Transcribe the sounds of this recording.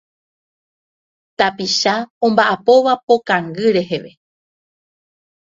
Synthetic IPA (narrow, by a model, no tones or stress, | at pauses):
t̪apiʃaõ̞mbaʔapo̞ʋapo̞kaŋɡɨɾe̞ɦe̞ʋe̞